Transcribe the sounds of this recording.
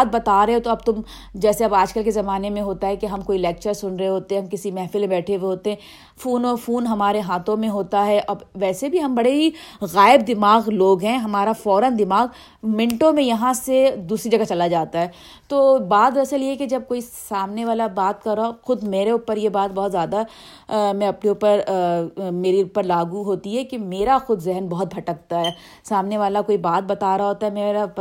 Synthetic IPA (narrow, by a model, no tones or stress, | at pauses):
t̪̚bɐt̪aːɾɐɦot̪oɐb̚t̪ʊm | d͡ʒɛːseɐbaːd͡ʒkəlkezɐmaːnemẽɦoːt̪aɦɛkeɦɐmkoːilɛːk̚t͡ʃəɾsʊnɾɐɦeɦoːt̪eɛ̃ɦɐmkɪsimɛːfɪlẽbɛːʈʰeweɦoːt̪eɦɛ̃ | fuːnɔːfuːnɦɐmaːɾeɦaːt̪ʰõmẽɦoːt̪aɦɛʔɐbʋɛːsebʱiɦɐmbɐɽeɦiɣaːɪb̚d̪ɪmaːɣloːɡɦɛ̃ɦɐmaːɾafɔːɾənd̪ɪmaːɣ | mɪ̃ɳʈõmẽjɐɦãsed̪uːsɾid͡ʒɐɡat͡ʃɐlad͡ʒaːt̪aɦɛː | t̪oːbaːd̪ɾɐsəljeked͡ʒɐb̚koːisaːmneʋaːlabaːt̪̚kɐɾːaxʊd̪meːɾeʊpːəɾjebaːt̪̚bɔɦɔt̪zjaːd̪a | mɛ̃ɐpneuːpəɾ | meːɾiʊpːəɾlaːɡuɦoːt̪iɦɛkemeːɾaxʊd̪ʱzɪɦənbɔɦʊt̪̚bʱɐʈək̚t̪aɦɛː | saːmneʋaːlakoːibaːt̪̚bɐt̪aːɾaɦoːt̪aɦɛmeːɾa